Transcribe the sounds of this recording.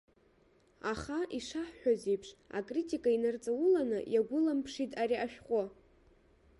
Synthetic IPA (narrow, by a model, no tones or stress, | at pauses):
aχaʔiʂaħħʷᶣazipʰʂa̰kʼritʼikʼainart͡sʼawʊlanɨjaɡʷʊlampʰʂitʼaɾiʔaʃᶣqʷʼʊ